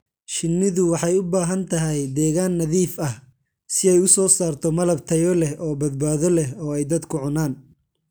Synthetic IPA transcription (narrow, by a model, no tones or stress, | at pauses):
ʃɪnːɪðʊwɑħɑjʊbaːɦɐnt̪ʰɐɦɛjd̪ɛːɣaːnːɐðiːfɐh | sɪɛjʊsɔːsaːrt̪ʰɔmɐlɐb̚t̪ʰɐjɔlɛhɔːbɐd̪̚baːðɔlɛɦɔːɛjd̪ɐd̪kʰʊʕʊnaːn